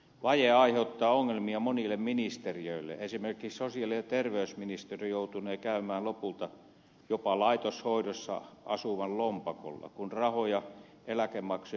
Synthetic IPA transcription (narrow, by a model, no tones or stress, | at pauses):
ʋɑjeɑiheut̪ːɑːoŋːelmiɑmonilːemminist̪eriøilːḛesimerkˑissosiɑlinet̪erʋeysminist̪erijout̪uneːkæymæːlopult̪ɑ | jopɑlɑit̪oshoidosːɑ̰ʔɑ̰suʋɑllompɑko̰lːɑ̰kunrɑhojɑ | elækemːɑkso